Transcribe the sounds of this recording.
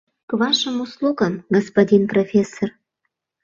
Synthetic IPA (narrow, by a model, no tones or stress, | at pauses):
kβɑʃəmuslˠuɣənɡospodʲinprofʲesːor